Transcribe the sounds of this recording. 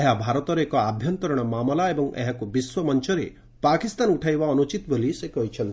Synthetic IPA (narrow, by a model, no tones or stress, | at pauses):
eɦabʱaɾɔt̪ɔɾekɔabʱjɔnt̪ɔɾɔɽ̃ɔmamɔlaebɔŋḛɦakubiswɔmɔnt͡ʃɔɾḛ | pakist̪anuʈʰajbaɔnut͡ʃit̪bolisekɔɦit͡ʃʰɔnt̪